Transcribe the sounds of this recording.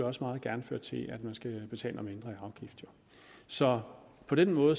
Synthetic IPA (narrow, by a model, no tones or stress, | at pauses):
ɒ̽səmɑ̈ːð̞̩ˠɡ̥æɐnføɐ̰d̥̚t͡sʰe̝ʔæd̥mænsɡ̥æb̥e̝t͡sʰɛ̰ːlɐmend̥ʁɐiɑ̈ʊɡ̥ifd̥jo̝ | sɒ̽pʰɒ̽ɾ̥enmɔ̽ːð̩ˠ